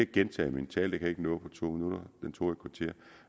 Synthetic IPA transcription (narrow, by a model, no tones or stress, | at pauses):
ɡ̥ent͡sʰɛ̰ːmint͡sʰɛ̰ːld̥e̝kʰæe̝ɡ̥ənɔ̽ːð̩ˠpʰɒ̽t͡sʰo̝̰ːminuɾ̥ɐd̥ent͡sʰo̝̰ːe̥kʰʋɑ̈t͡sʰe̝ɐ̰